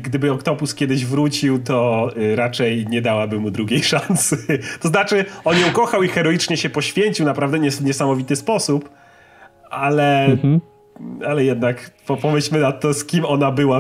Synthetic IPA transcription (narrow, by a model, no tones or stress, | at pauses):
ɡd̪ɘbɘɔkt̪ɔpuskʲjɛd̪ɘʑvɾut͡ɕiwt̪ɔɾat͡ʂɛjɲɛd̪awabɘmud̪ɾuɡʲejʂansɘt̪ɔznat͡ʂɘɔnjɛukɔxawixɛɾɔjit͡ʂɲɛɕɛpɔɕfʲjeɲt͡ɕiwnapɾavd̪ɛɲɛsvɲɛsamɔvʲit̪ɘspɔsup | ʔalɛ | alɛjɛd̪nakpɔpɔmɘɕmɘnat̪ːɔskʲimɔn̪abɘwa